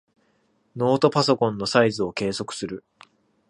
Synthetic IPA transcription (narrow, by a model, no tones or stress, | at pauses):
no̞ːt̪o̞paso̞kõ̞nːo̞saizɨo̞ke̞ːso̞kɯ̟̥sɨɾɯ̟